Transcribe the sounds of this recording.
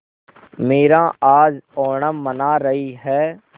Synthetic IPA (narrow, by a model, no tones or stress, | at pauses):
meːɾãaːd͡ʒɔːɳamənaːɾəɦiɦɛː